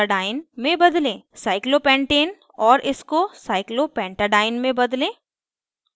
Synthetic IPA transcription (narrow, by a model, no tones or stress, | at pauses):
ɖaːɪnmẽbɐd̪lẽːsaːɪklopɛ̃ːɳʈeːn | ɔːɾʔɪskosaːɪklopɛ̃ːɳʈaɖaːɪnmẽbɐd̪lẽː